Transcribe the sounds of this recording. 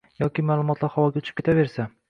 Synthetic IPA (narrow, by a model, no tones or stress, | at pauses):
jɒkʲɪmaːlˠʊmɒt̪laɾhawɒɡʲaʊt͡ʃʰɪ̥p̚kʰʲet̪ʰave̞ɾsa